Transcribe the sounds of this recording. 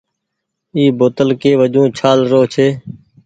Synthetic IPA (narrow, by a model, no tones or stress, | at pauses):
iːboːt̪əlkeːʋəd͡ʒũːt͡ʃʰaːlɾoːt͡ʃʰeː